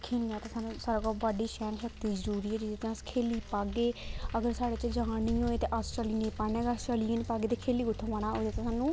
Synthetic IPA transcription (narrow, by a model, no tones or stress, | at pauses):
kʰiːniaːt̪eːsaːnũːsaːɾaːkɔːbaːɖiːʃɛːnʃəkt̪iːzəɾuːɾiːɛːd͡ʒid̪eːt̪ẽəskʰeːliːpaːɡeːəɡəɾsaːɽeːt͡ʃd͡ʒãːnĩːɦoːeːt̪eːʔəst͡ʃəliːnĩːpaneːɡəst͡ʃəːliːeːnĩːpaːɡeːt̪eːkʰeːliːɡʊʈ̪ʰːõːʋaːnaːoːd̪eːt̪eːsaːnũː